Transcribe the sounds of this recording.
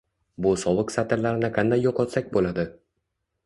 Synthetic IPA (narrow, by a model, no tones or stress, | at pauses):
bʊsɒwɨqsat̪ʰɪɾlaɾɪnɪqʰand̪ajːɒqɒt̪sak̚ʲbolad̪ɪ